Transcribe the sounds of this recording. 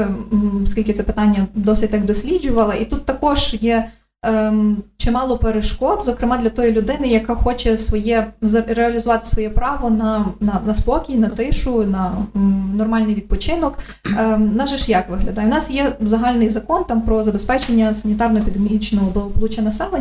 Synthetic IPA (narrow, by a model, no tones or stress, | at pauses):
skʲilʲkɪt̪sɛpɪ̥t̪ɑnʲːɐd̪ɔsʲɪt̚ʲt̪ɑkd̪ɔsʲlʲid͡ʒʊʋɐlˠɐʔit̪ut̪ːɐkɔʒjɛ | t͡ʃɪmɑlˠɔpeɾeʃkɔd̪zɔkɾɪmɑd̪lʲɐt̪ɔjilʲʊd̪ɪnɪjɐkɑxɔt͡ʃɛsʋɔjɛzɾeɐlʲizʊʋɑt̪ɪ̥sʋɔjɛpɾɑʋɔnɐnɐnɐspɔkʲijnɐt̪ɪʃʊnɐnɔrmɑlʲnɪjʋʲid̪̚pɔt͡ʃɪnɔkː | nɐʒɛʃjɑkʋɪɦlʲɐd̪ɑjɛʊnɑsjɛzɐɦɑlʲnɪjzɐkɔnt̪ɑmpɾɔzɐbespɛt͡ʃenʲːɐsɐnʲit̪ɑrnɔepʲid̪emʲit͡ʃnɔɦɔbˠɔɔblˠut͡ʃʲɐnɐsɛlˠe